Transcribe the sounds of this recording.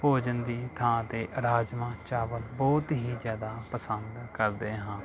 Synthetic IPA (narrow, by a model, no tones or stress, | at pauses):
poːd͡ʒənd̪iːt̪ʰãːt̪eːʔɾaːd͡ʒmãːt͡ʃaːʋəlbɔːt̪ɦiːzjaːd̪aːpəsənd̪kəɾd̪eːɦãː